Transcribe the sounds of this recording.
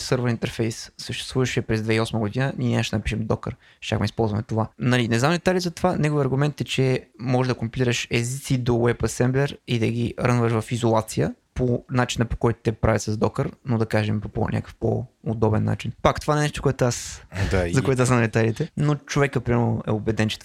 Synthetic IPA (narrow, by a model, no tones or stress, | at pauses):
sɤɾvəɾint̪ɛɾfɛjsːəʃt̪ɛ̥st̪vuvɐʃɛpɾɛzd̪vɛiɔsməɡʊd̪inənʲiɛnʲaʃd̪nɐpiʃɛmd̪ɔkə̰ɾ | ʃt͡ʃʲa̰xmɛispɔlˠzvɐmɛt̪ovanɐlinɛznamd̪ɛt̪alʲizɐt̪ovanɛɡoviəɐɾɡʊmɛnt̪ɛt͡ʃɛmɔʒɛd̪ɐkompilʲiɾəʃɛzit̪sid̪owɛpɐsɛmblʲɛɾid̪ɐɡiɾənvəʃvɐfizolˠat̪sijə | ponat͡ʃinəpo̥kɔjt̪ʊ̥t̪ɛpɾavit̪səzd̪ɔkəɾnod̪ɐkaʒɛmpopo̰nʲʔa̰kə̥fpo̰ːd̪ɔbɛnːa̰t͡ʃinpakt̪ovaɛnɛʃt̪o̥koʊɛt̪oasd̪azɐkoɛt̪oasmnd̪ɛt̪alit̪ɛnot͡ʃovɛkəpɾimɛʔɛ̰obɛd̪ɛnt͡ʃɛ̥t̪